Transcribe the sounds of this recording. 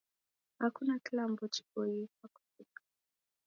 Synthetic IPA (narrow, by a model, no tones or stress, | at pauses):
hakunakilambɔt͡ʃi̥kɔikaku̥fikḁ